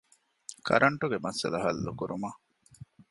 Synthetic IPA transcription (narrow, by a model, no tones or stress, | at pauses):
kʰɐ̰ɾʔɐɳʈuɡemɐsɐ̰lɐɦɐlːukuɾuma